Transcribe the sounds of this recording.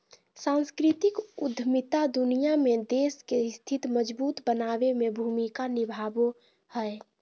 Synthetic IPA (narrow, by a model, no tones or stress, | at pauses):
sãnskɾit̪ikud̪ʱmit̪ad̪unijamed̪eskest̪ʰit̪məd͡ʒbuːt̪bənabemebʱumikanibʱabo | həe